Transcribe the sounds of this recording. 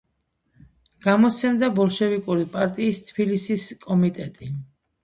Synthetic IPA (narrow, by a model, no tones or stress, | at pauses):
ɡ̥amɔt̪sʰɛmd̪abɔlˠʃɛvikʼuɾipʼaɾt̪ʼiːst̪ʰbilisiskʼɔmit̪ʼɛt̪ʼi